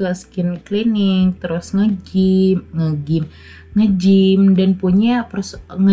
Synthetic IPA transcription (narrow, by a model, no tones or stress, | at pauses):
askɪnklinɪŋt̪əɾʊsŋəd͡ʒɪmŋəɡɪm | ŋəd͡ʒɪmdanpuɲaprsŋə